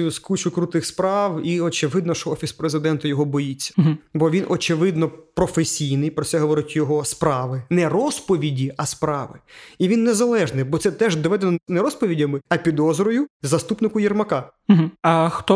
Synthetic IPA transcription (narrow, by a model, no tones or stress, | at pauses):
jʊskut͡ʃʊkɾut̪ɪxspɾɑwiɔt͡ʃɪʋɪd̪nɔʃt͡ʃɔɔfʲispɾezɪd̪ɛnt̪ʊjɔɦɔbɔjit͡sʲːɐ̥ɦbɔʋʲinʔɔt͡ʃɪʋɪd̪nɔpɾɔfesʲijnɪjpɾɔsʲɛɦɔʋɔɾɪtʲjɔɦɔspɾɑʋɪnɛrɔspɔʋʲidʲiɐspɾɑʋɪiʋʲinːezɐlˠɛʒnɪbɔt̪sɛt̪ɛʒd̪ɔʋɛd̪enɔnɛɾɔspɔʋʲidʲɐmɪɐpʲid̪ɔzɾɔjʊzɐst̪upnɪkʊjirmɐkɑɦ̩ɐxt̪ɔ